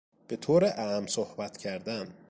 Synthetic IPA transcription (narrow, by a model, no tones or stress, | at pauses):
b̥e̞t̪ʰoːɾeʔæmsohbæt̪ʰcʰæɾd̪æn